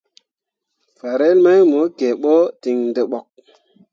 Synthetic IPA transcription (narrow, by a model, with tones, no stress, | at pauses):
fa˨ɾe˦lma˦jmo˨˦ke˨ɓo˦ti˨ŋnde˨ɓo˨k̚